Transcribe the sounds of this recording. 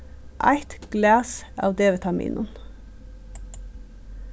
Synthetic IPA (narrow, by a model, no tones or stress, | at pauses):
ʔæ̰ɪt̪ɡ̥læːsɑ̰ːʋd̪eːʋət̪ʰɑmḭːnʊn